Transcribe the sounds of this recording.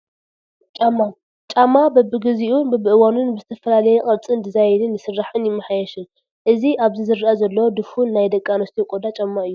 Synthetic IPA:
t͡ʃʼamːa | t͡ʃʼamːabɐbɨɡɨziʔunbɨbɨʔɨwanunbɨzɨt̪ʰɐfɐlalɐjɛkʼɐɾt͡sʼɨnd̪ɐzajɛd̪ɨnːɨsɨrːaħɨnjɪmːɐħajɛʃɨn | ʔɨziʔaβzizɨɾːaʔazɐlːɐwod̪ɨfunːajd̪ɐkʼanɐst̪ʰikʼod̪at͡ʃʼamːaʔɨjːu

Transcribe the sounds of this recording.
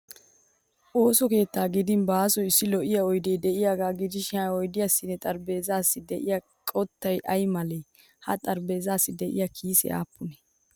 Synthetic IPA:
ʔo̞ːsɔke̞ːt̪ːaːɡɪd̪ɪnbaːsɔjɪsːɪlɔʔɪjɐɔjd̪ɛjd̪ɛʔɪjaːɡaːɡɪd͡ʒɪʃɪaɔjd̪ɪjasːɪnːɛt̪ʼɐɾbe̞ːzaːsːɪd̪ɛʔɪjɐ | kʼɔt̪ːɐjʔɐjmɐlɛ | hɐ̰t̪ʼɐɾbe̞ːzaːsːɪd̪ɛʔɪ̰jakʰiːsɛ̰ʔa̰ːpʰːʊnɛ̥

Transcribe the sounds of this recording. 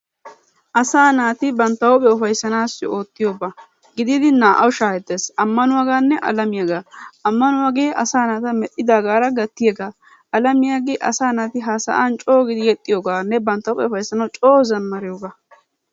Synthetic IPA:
ʔɐsaːnaːt̪ɪbɐnt̪ːɐwʊpʼɛɔfɐjsːɐnaːsːɪ̰o̞ːt̪ːɪjo̞ːba | ɡɪd̪ɪd̪ɪnaːʔɐwʃaːhɛd̪ːeːsɐmːɐnʊwaːɡaːnːɛʔɐ̰lɐmɪjaɡaːɐmːɐnʊwaːɡeːʔɐsaːnaːt̪ɐmɛʔʼːɪd̪aːɡaːɾɐɡɐt̪ːɪjeːɡaː | ɐlɐmɪjaːɡeʔɐ̰saːnaːt̪ɪɦaːsɐ̰ʔant͡ʃʼo̞ːɡɪd̪ɪjɛt̪ʼːɪjoːɡaːnːɛbɐnt̪ːɐwʊpʼɛɔfɐjsːɐnɐwt͡ʃʼo̞ːzɐmːɐɾɪjoːɡaː

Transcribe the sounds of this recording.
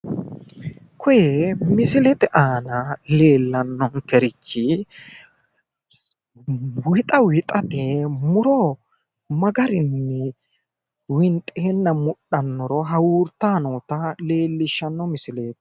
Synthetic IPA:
kʰɔjɛmɪsɪlɛt̪ɛʔaːnɐle̞ːlːɐnːɔŋkɛɾɪt͡ʃːɪ | wɪt̪ʼɐwɪt̪ʼɐt̪emʊɾɔ | mɐɡɐɾɪnːɛ | wɪnt̪ʼːeːnːɐmʊɗːɐnːɔɾɔɦɐwuːɾt̪ːaːnoːt̪ɐle̞ːlːɪʃːɐnːɔmɪsɪleːt̪

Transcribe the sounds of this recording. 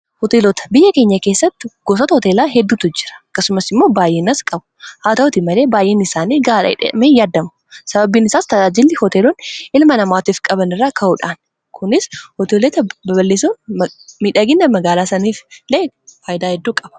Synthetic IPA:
hɔt̪eːlɔt̪ɐ̥bɪjːɐke̞ːɲːɐkeːsːɐt̪ːɪɡ̥ɔsɔt̪ɐhɔt̪eːlaːɦɛd̪ːuːt̪ʊd͡ʒɪɾɐ̥ɐkːɐsʊmɐsɪmːo̞ːbaːjʔeːnɐskʼɐbʊ̥haːt̪ɐʊt̪ɪmɐle̞ːbaːjʔeːnɪsaːniːɡaːlᶑ̰meːjaːd̪ːɐmʊ | sɐbɐbiːnɪsaːst̪ɐaːd͡ʒɪlːɪhɔt̪eːlonʔɪlmɐnɐmaːt̪iːfkʼɐbɐnɪrːaːkʰɐuːᶑaːn | kʊnɪshɔt̪eːlet̪ɐbɐbɐlːeːsonmiᶑɐɡɪnːɐmɐɡaːlaːsɐniːfleː | faːjd̪aːhɛd̪ːuːkʼɐb̥ɐ̥

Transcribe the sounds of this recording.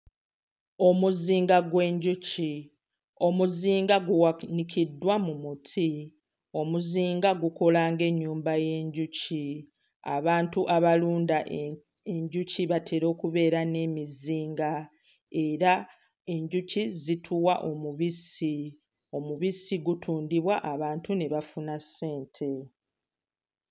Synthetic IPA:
o̞muziːŋɡaɡwe̞ːɲɟuci | o̞muziːŋɡaɡuwanikʰidːwamumutʰi | o̞muziːŋɡaɡuko̞laːŋɡe̞ɲːuːmbaje̞ːɲɟuci | a̰βaːntuʔaβaluːnda | eɲɟuciβatʰe̞ɾo̞ːkuβe̞ːɾane̞miziːŋɡa | e̞ɾa | e̞ɲɟucizitʰuwaʔo̞muβisi | o̞muβisiɡutʰuːndiβwaʔːβaːntuneβafunase̞ːntʰe̞

